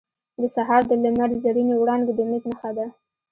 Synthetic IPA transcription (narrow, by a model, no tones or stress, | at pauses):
d̪əsaɦɑɾd̪əlamaɾzaɾinewɽɑnɡed̪əmet̪məxad̪a